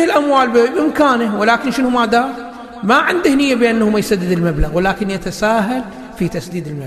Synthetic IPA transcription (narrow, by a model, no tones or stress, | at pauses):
ɪlʔamwaːlbɪbɪmkaːnawɪlaːkɪnʃɪnʊmaːd̪aː | maʕɪnd̪ɪhnɪjːabɪʔanːahʊmajsad̪ːɪd̪ɪlmablaɣwɪlaːkɪnjat̪asaːɦal | fit̪asd̪iːd̪ɪlma